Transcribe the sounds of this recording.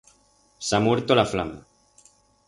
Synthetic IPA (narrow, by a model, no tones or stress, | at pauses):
samweɾt̪olaflama̰